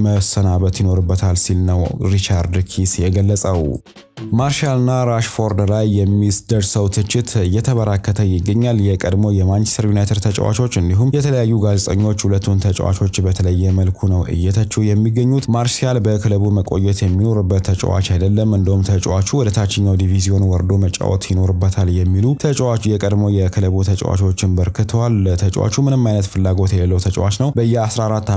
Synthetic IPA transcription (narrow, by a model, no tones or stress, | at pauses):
məsənaβət̪jino̞ɾɨbːət̪ʰalsilnəwɾit͡ʃaɾd̪kʰisjɛɡəlːəsʼəw | maɾʃalɨnːaɾaʃfo̞ɾd̪lajːɛmːisd̪əɾsəwt̪ʰɨt͡ʃːɪt̪ɨjːɛt̪ʰəβəɾakːət̪ʰəjɪɡːəɲːaljɛkʼəd̪mo̞jɛmant͡ʃɛ̥st̪ʰəɾjunajt̪ʰəɾt̪ʰət͡ʃʼɛ̰wa̰t͡ʃʰo̞t͡ʃːɨnd̪iɦumjɛt̪ʰələjajːuɡazet̪ʼəɲːo̞t͡ʃːhulət̪ːumt̪ʰət͡ʃʼwa̰t͡ʃʰo̞t͡ʃːbət̪ʰələjːɛməlkʰunəwʔɨ̰jːɛt̪ʰət͡ʃːɛhjɛmːiɡəɲːut̪maɾsialbəkʰɨləβuməkʼojːɛt̪jɛmːino̞ɾɨbːət̪ʰːət͡ʃʼwa̰t͡ʃajd̪əlːəmɨnd̪əhumt̪ʰət͡ʃʼwat͡ʃuwɔd̪ət̪ʰat͡ʃːɪɲːawd̪ivizio̞nwɔɾd̪o̞mət͡ʃʼa̰wɔ̰t̪jino̞ɾɨbːət̪ʰaljɛmːilut̪ʰət͡ʃʼwat͡ʃjɛkʼəd̪mojɛkʰɨləβut̪ʰət͡ʃʼwa̰t͡ʃo̞t͡ʃːɪnbəɾkʰɨt̪ʰəwalət̪ʰət͡ʃʼwa̰t͡ʃumɨnɨmːajnət̪fɨlːaɡo̞t̪jɛləlːəwt̪ʰət͡ʃʼwa̰t͡ʃnəwbəɨjːɛasɾaɾat̪ː